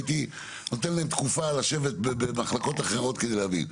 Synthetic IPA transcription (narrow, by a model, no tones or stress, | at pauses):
t̪i | not̪enlaemt̪kufalaʃevet̪̚bebemaχlako̞t̪aχeʁo̞t̪ked̪eleavḭn